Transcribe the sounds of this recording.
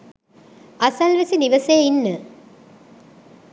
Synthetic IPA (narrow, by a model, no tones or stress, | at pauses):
ʔɐsɐlʋɐsiniʋɐseːinːɨ